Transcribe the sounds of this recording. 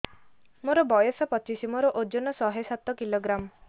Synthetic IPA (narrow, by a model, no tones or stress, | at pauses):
moɾɔbɔjɔsɔpɔt͡ʃisimoɾɔʔod͡ʒonɔsɔɦesat̪ːɔkiloɡɾam